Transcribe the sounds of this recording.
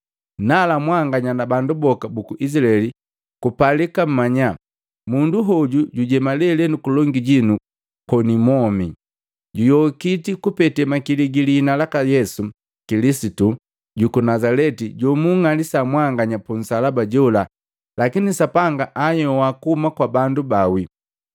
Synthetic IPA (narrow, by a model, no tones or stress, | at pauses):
nalamwaŋɡaɲanabandubɔkabukuʔisilaɛli | kupalikam̩maɲa | munduɦɔɟuɟuɟɛmalɛlɛnukulɔŋɡiɟinu | kɔnimɔmi | ɟujɔkitikupɛtɛmakiliɡilinalakajɛsu | kilisitu | ɟukunazalɛtiɟɔmuŋalisamwaŋɡaɲapun̩salabaɟɔla | lakinisapaŋɡaʔajɔwakuhumakwabandubawi